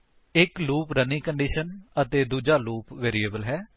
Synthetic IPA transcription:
ɪkluːpɾənĩːkəɳɖiːʃənət̪eːd̪uːd͡ʒaːluːpʋeːɾiːəːbəlɦɛː

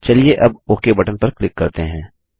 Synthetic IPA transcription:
t͡ʃɐlieʔɐboːkebɐʈənpɐɾklɪkːɐɾt̪eɦɛ̃ː

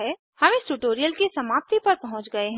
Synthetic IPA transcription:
e | hɐmẽsʈuʈoːɾijəlkisɐmaːp̚t̪ipɐɾpɐɦʊ̃t͡ʃɡɐeɦɛ̃

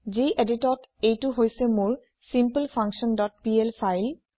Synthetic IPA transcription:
d͡ʑeʔediʈɔtejtuɦojsemuɹ | simpəlpʰaŋkʃɔnɖɔtpielfʰajl

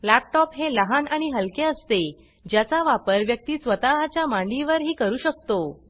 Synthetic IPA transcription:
læp̚ʈɔpɦeləɦanaɽ̃iɦəlkeəst̪e | d͡ʑjat͡saʋapəɾʋjək̚t̪iːsʋət̪aɦat͡ɕjamãɳɖiʋəɾɦiːkəɾuːɕək̚t̪o

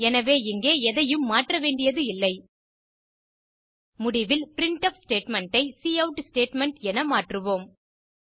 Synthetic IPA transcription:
ɛnɐʋeːɪŋɡeːɛðɐjɯmːaːʈrɐʋeːɳɖɪjɐðɯɪlːɐɪ | mʊɽɪʋɪlpɪɾɪɳʈɐfsʈeːʈmɛɳʈɐɪsiːɐʊʈsʈeːʈmɛɳʈɛnɐmaːʈrɯʋoːm

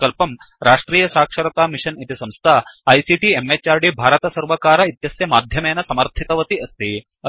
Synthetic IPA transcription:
kɐlpɐm | ɾʔaːʂʈɾiːjɐsaːkʂɐɾɐt̪aːmiʂɐnit̪isɐmst̪ʰaːɐjsiʈiemet͡ʃːaːɾɖibʱaːɾɐt̪ɐsɐɾʋɐkaːɾɐit̪jɐsjɐmaːd̪ʱjɐmeːnɐsɐmɐɾt̪ʰit̪ɐʋɐt̪iɐst̪i | ɐ

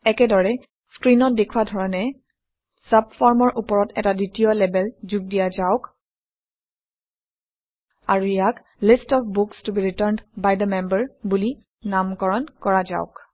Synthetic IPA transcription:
ɛkɛdɔɹɛ | skɹinɔt̚dekʰwadʱɔɹɔnɛ | sabfɔɹmɔɹʔupɔɹɔtɛ̰taditijɔlɛbɛlzuɡ̚dijazaʊk | a̰ɹuijak | listɔfbukstubiɹitəɹndbajd̪əmɛmbəɹbuli | namkɔɹɔnkɔɹaza̰ʊk

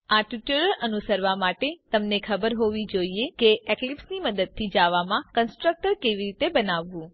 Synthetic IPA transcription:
aʈjuʈəɾəɾʔənusəɾʋamaʈet̪əmnekʰəbəɾɦoʋid͡ʒoiekeeklipsniməd̪əd̪̚t̪ʰːid͡ʒaʋamãkənsʈɾək̚ʈəɾkeʋiɾit̪ebənaʋːũ

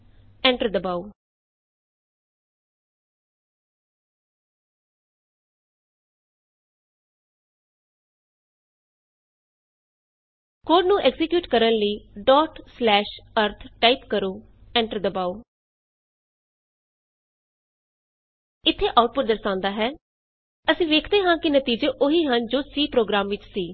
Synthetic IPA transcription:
ɛ̃ːɳʈəɾd̪əbaːu | koːɖnũːʔɛɡzɪkjuːʈkəɾənləiːɖɔːʈslɛːʃəɾt̪ʰʈaːɪpkəɾoː | ɛ̃ːɳʈəɾd̪əbaːoː | ɪt̪ʰːeːʔaːʊʈ̚pʊʈ̚d̪əɾsãːnd̪aːɦɛː | əsĩːʋeːkʰd̪eːɦãːkɪnət̪iːd͡ʒeːʔoɦiːɦənd͡ʒoːsiːpɾoːɡɾaːmʋɪt͡ʃsiː

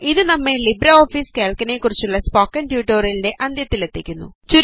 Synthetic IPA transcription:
iðɨnɐmːe̞libɾɐoːfiːske̞ːɭkɐne̞kːurit͡ɕːuɭːɐspoːkːɐnʈjuːʈːoːrilideʔʔɐnd̪ʱjɐt̪ːilet̪ːikʲːunːṵt͡ɕuɾ

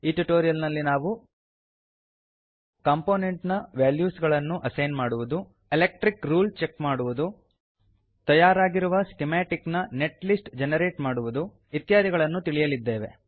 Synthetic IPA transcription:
iːʈuʈoːɾijɐlnɐlːinaːʋu | kaːmpoːne̞ɳʈnɐʋaːljuːsɡɐɭɐnːuʔɐsɐjnmaːɽuʋud̪u | elek̚ʈɾikɾuːlt͡ʃekmaːɽuʋud̪u | t̪ɐjaːɾaːɡiɾuʋɐsi̥ʈimaːʈiknɐne̞ʈlisʈd͡ʒenɐɾe̞ːʈmaːɽuʋud̪u | it̪jaːd̪iɡɐɭɐnːut̪iɭijɐlid̪ːe̞ːʋe̞̰

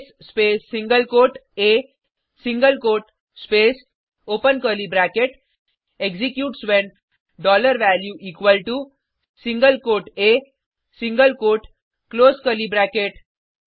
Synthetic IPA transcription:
sspesːĩŋɡəlkoːʈe | sĩŋɡəlkoːʈ | spes | opənkəlibɾækeʈ | ekzikjuːʈsʋẽn | ɖɔləɾʋæljuʔikʋəlʈu | sĩŋɡəlkoʈe | sĩŋɡəlkoʈ | kloːskəlibɾækeʈ

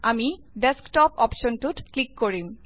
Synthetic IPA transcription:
ami | ɖesktɔpɔpʃɔntutklikːoɹim

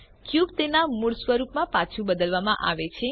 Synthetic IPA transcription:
kjubt̪enamuɽsʋəɾupmãpat͡ʃʰũbəd̪əlʋamãʔaʋet͡ʃʰe

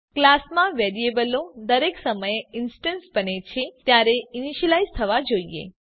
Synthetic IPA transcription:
klasmãʋeɾiebəlõd̪əɾeksəməjeɪnsʈənsbənet͡ʃʰet̪jaɾeiniʃəlaizt̪ʰəʋad͡ʒoiḛ

